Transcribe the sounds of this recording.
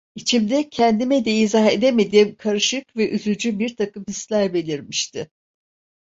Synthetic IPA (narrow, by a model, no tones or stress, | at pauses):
it͡ʃʰimd̪ɛcʰɛnd̪imɛd̪eizaɦe̞d̪eme̞d̪iɛmkʰaɾɯʃɯkvɛʔyzyd͡ʒybiɾt̪ʰakɯmhislʲæɾbe̞lʲiɾmiʃt̪ʰɪ